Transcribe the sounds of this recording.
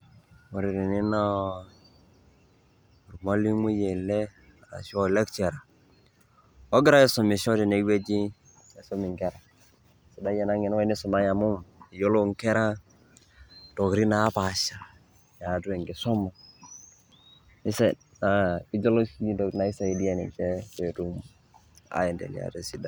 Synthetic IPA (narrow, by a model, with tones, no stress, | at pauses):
mo˨ɾi˨ɾi˨nɪ˦na˦ | u˨ɾmɔ˦li˦mu˦je˨lɛ˦ | a˨ɾa̰˨ʃɔ˦˨lɛ˦kt͡ʃɛ˨ɾa˨ | ɔ˦ɡɪ˦ɾa˦e˦sɔ˨mi˨ʃɔ˦di˨ne˨˦we˦d͡ʒi˦ | ɛ˨sɔ˦mi˨ŋkɛ˦ɾa˨ | sɔ˨da˦jɛ˨na˦ŋɪ˨n˦wa˦nɪ˦sɔ˨ma˦ja˨mu˦mi˨jo˦lo˦ŋke˦ɾa˦ | tɔ˨kɾi˦na˨˦pa˨ʃa˨ | ja˨tu˦e˨ŋɡi˨sɔ˦ma˨ | i˦se˨ | na˨i˦d͡ʒo˦lo˦si˦dɔ˨na˨i˦sa˨i˨di˦e˨nḭ˨t͡ʃe˦te˨tu˦m | a̰˨˦jɛ˨ndḛ˨lḭ˨a̰˨te˨si˦da˦